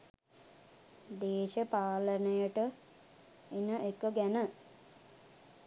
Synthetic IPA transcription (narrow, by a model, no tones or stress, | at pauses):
d̪eːʃəpaːlənəjəʈə | inəʔekːoɡænə